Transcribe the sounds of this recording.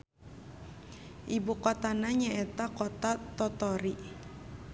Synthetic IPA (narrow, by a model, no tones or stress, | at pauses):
ʔibukɔt̪anaɲaʔɛt̪akɔt̪at̪ɔt̪ɔɾi